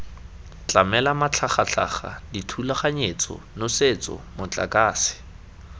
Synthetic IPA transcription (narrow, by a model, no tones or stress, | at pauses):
t͡ɬʼamɛlamat͡ɬʰaχat͡ɬʰa̰χa̰ditʰulaχaɲet͡sɔ̰noset͡sɔ̰mʊt͡ɬʼa̰kʼaːsɪ̥